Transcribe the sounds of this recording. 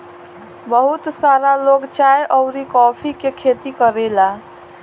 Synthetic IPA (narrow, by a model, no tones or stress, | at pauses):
bəɦut̪saɾaloɡt͡ʃajʔəʊɾikɔpʰikekʰet̪ikəɾela